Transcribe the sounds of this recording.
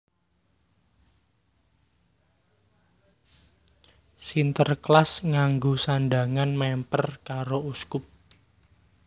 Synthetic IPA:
sint̪ərklasŋaŋɡosanɖaŋanmɛmpərkaɾouskʊp̚

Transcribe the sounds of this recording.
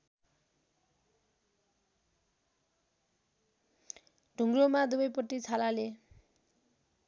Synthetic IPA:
ɖʱuŋɡromad̪ubʌjpʌʈːit͡sʰalale

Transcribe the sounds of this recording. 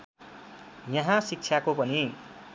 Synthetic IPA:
jʌɦãsik̚t͡sʰjakopʌni

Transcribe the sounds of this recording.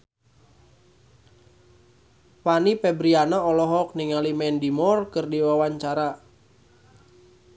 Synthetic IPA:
panipɛbɾianaɔlɔɦɔk̚niŋalimɛndimɔrkɨrdiwawaɲt͡ʃaɾa

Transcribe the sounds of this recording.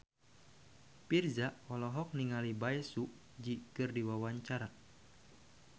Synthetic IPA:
pirzaʔɔlɔɦɔk̚niŋalibaɛsuʔ | d͡ʒikɨrdiwawaɲt͡ʃaɾa

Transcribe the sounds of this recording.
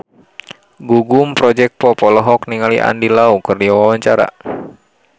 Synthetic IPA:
ɡuɡumpɾɔd͡ʒɛk̪̚pɔpɔlɔɦɔkniŋaliʔa̰ndilaukɨrdiawawaɲt͡ʃaɾa̰

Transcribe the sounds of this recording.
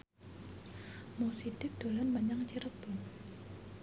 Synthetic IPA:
mosid̥ɪk̚d̪̥o̤lanmaɲaŋt͡ʃiɾəb̥ʊŋ

